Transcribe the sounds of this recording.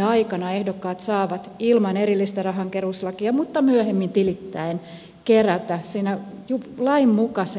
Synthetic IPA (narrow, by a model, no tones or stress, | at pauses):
ɑikɑnɑehdokːɑːt̪sɑːʋɑt̪ilmɑnerilːist̪ærɑɦɑŋkeruslɑkiɑmut̪ːɑmyøhemːint̪ilit̪ːæin | keræt̪æsiːnæjulɑimmukɑse